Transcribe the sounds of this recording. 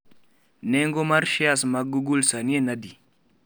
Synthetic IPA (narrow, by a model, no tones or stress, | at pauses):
nɛŋɡomaɾʃiasmaɡuɡulsanienadi